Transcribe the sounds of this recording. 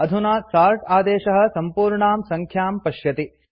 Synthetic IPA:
ɐd̪ʱunaːsaːɾʈaːd̪eːʃɐɦɐ̆sɐmpuːɾɳaːmsɐŋkʰjaːmpɐʃjɐt̪i

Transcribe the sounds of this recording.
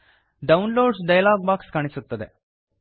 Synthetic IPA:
ɖaunloɖsɖajlaɡ̚bakskaɽ̃isut̪ːəd̪ḛ

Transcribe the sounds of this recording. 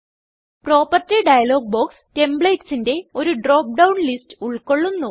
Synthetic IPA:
pro̞ːpɐrtiɖɐjɐlo̞ːɡ̚boːkste̞mbɭejtsinde̞o̞ɾuɖro̞ːp̚ɖɐwnlistɨ̥uɭko̞ɭːunːu

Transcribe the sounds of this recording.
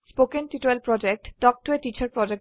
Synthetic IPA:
spokenʈiʈelpɾɔd͡ʑek̚ʈɖɔk̚ʈoeʈit͡ɕaɾpɾɔd͡ʑek̚

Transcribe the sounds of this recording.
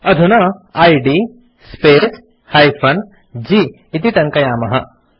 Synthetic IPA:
ɐd̪ʱunɐaːjɖi | speːs | haːjpʰɐn | d͡ʒi | it̪it̪ɐŋkɐjaːmɐɦɐ

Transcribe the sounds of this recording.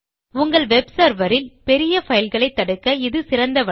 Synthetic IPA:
ʊŋɡɐɭʋɛbsɐɾʋɐɾɪlpɛɾɪjɐfɐjɪlɣɐɭɐɪt̪ːɐɽɯkːɐɪðɯsɪɾɐnd̪ɐʋɐ

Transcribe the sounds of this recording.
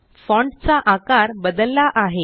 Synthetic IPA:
fɔ̃ɳɖt͡saʔakaɾbəd̪əlːaʔaɦe

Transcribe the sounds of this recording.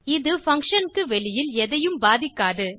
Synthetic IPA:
ɪðɯfɐŋkʂɐnkɯʋɛɭɪjɪlɛðɐjɯmbaːðɪkːaːɽɯ

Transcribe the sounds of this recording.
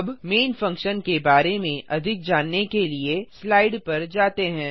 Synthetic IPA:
bmeːnfɐ̃ŋkʃənkebaːɾemẽʔɐd̪ʱɪk̚d͡ʒaːnːekelieslaːɪɖpɐɾd͡ʒaːt̪eɦɛ̃ː

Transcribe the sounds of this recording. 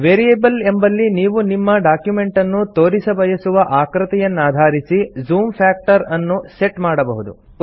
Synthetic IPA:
ʋeːɾijebɐlembɐlːiniːʋunimːɐɖaːkjume̞ɳʈɐnːut̪o̞ːɾisɐbɐjɐsuʋɐʔaːkɾɐt̪ɛjɐnːaːd̪ʱaːɾisizuːmpʰaːk̚ʈɐɾɐnːuse̞ʈmaːɽɐbɐɦud̪ṵ

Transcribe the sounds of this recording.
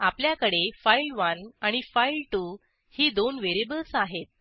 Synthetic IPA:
apljakəɽefailʋənaɽ̃ifailʈu | hiːd̪onʋeɾebəlsaɦet̪̚

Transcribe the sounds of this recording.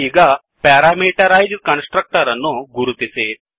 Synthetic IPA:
iɡa | pɛɾamiʈəɾajd͡ʒkənsʈɾək̚ʈəɾanːoɡuɾut̪ise

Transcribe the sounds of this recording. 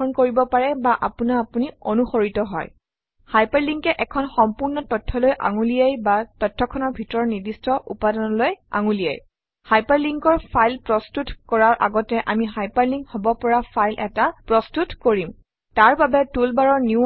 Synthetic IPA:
ɔnkoɹibɔpaɹɛbaʔa̰punaːpunionuxoɹitɔɦɔ̰j | hajpaɹliŋkɛʔɛkʰɔnxɔmpuɹnɔtɔtʰːɔlojʔa̰ŋulijajbatɔtʰːɔkʰɔnɔɹbʱitɔɹɔɹnidistʰɔʔṵpadɔnɔloja̰ŋulija̰j | hajpaɹliŋkɔɹpʰajlpɹɔstutkɔɹaɹʔa̰ɡɔtɛʔamiɦajpaɹliŋkhɔbɔpɔɹapʰajlʔɛ̰tapɹɔstutkoɹim | taɹbabɛtulbaɹɔɹniu

